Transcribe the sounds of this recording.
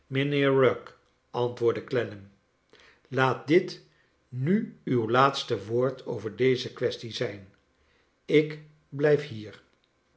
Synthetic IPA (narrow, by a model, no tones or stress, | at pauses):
mənɪːɹɹɔk | ʔɑntʋʊːɹdəklɛnəm | laːt̚dɪt | nyywlaːtstəʋoːɹtʰo̰wvəɹdejzəkʋɛstizɛjn | ɪk | blɛjfɦiːɹ